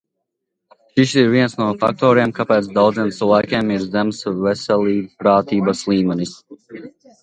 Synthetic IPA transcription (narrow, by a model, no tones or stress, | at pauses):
ʃisiɾviɛnsnuɔfa̰k̚t̪ɔːɾeɛmkapɛːt̪sd̪awd̪zeɛmt̪ɨlajkʲeːmiɾzɛmsvɛsʲɛlʲiːpɾaːt̪iːbəslˠiːmɛnis